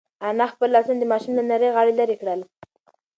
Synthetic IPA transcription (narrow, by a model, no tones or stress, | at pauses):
anaxpəlːɑsund̪əmɑʃumlanaɾəjɣɑɽelaɾekɽəl